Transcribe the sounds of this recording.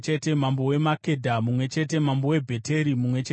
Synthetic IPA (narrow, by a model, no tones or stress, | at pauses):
t͡ʃete̞mambo̞we̞make̞dʱamumwe̞t͡ʃe̞te̞mambowe̞bʱe̞tʰe̞ɾimumwe̞t͡ʃe